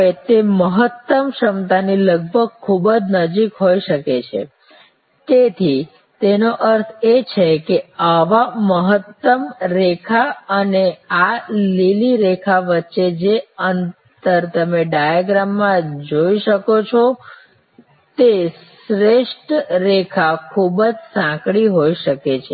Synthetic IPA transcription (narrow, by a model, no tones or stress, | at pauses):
et̪eməɦət̪ːəmʃəmt̪aniləɡ̚bʱəɡ̚kʰːubəd͡ʒnəd͡ʒikɦoiʃəket͡ʃʰḛ | t̪et̪ʰi | t̪enoʔəɾt̪ʰet͡ʃʰekeaʋaməɦət̪ːəmɾekʰaənealiliɾekʰaʋətːʃed͡ʒeən | t̪əɾt̪əmeɖajaɡɾamːãd͡ʒoiʃəkot͡ʃʰo | t̪es | ɾeʃʈɾekʰakʰubəd͡ʒsãkɽiɦoiʃəket͡ʃʰe